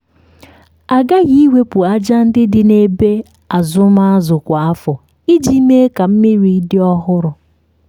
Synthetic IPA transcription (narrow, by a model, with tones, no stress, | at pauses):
a˨ɡa˦ɣi˦i˦we˦pu˨a˦d͡ʒa˦n̩˦dɪ˦dɪ˨ne˨be˦ | a˨zʊ˦ma˦a˦zʊ˨kʷa˨a˦fɔ˨ | i˦d͡ʒi˦me˦ka˨m̩˦mi˦ɾi˨˦dɪ˦ɔ˦ɦʊ˦ɾʊ˨